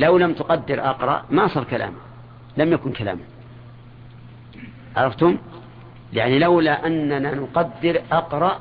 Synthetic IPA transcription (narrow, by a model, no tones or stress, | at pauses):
lawlamt̪ʊqɑd̪ːɪɾʔɑqɾˤɑ̰ʔmasˤɑːɾˤkala̰ːma | lamjakʊnkala̰ːma | ʕɑɾˤɑft̪ʊm | ja̰ʕnilawlaʔanːananʊqɑd̪ːɪɾʔɑqɾˤɑʔ